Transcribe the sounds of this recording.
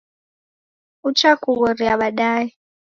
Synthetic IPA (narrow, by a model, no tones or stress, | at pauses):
ut͡ʃʰakuɣɔriaɓaɗaːi